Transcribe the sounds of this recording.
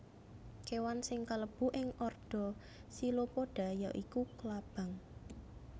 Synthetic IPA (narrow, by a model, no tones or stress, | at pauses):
kewansɪŋkaləb̥ṳʔɪŋʔɔrɖ̥ɔ̤ | silopoɖ̥a̤jaʔikukəlab̥a̤ŋ